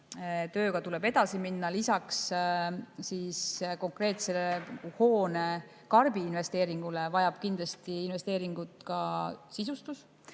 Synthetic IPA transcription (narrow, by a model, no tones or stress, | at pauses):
t̪ø̞ːɡ̥ɑt̪ule̞bed̪ɑsiminːɑlisɑks | siːsko̞ŋkˑre̞ːt̪seleuho̞ːne | kɑrb̥iːnve̞st̪e̞ːɾiŋɡ̥ule̞vɑjɑb̥kind̪lɑst̪iːnve̞st̪e̞ːɾiŋɡ̥ut̪ˑkɑsisust̪us